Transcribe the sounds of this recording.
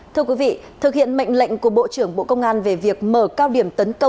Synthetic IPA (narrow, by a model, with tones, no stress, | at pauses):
t̪ʰɨ˧əkwi˨˦vḭ˧˨t̪ʰɨ˨˩k̚hḭ˧˨ənmə̰˧˨jŋ̟lə̰˧˨jŋ̟ku˧˩əɓo̰˧˨t͡ɕɨ˨˧˩əŋɓo̰˧˨kə˧wŋ͡mʔaː˧nve˨˩vi˨˩ək̚məː˧˩kaː˧wɗi˨˩əmt̪ə˨˦nkə˧w